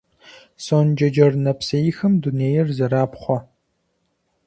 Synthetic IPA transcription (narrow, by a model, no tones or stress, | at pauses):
soːnd͡ʒɐd͡ʒɐrnɐpsɐjixɐmduneːjɛrzɐɾaːpχʷɔ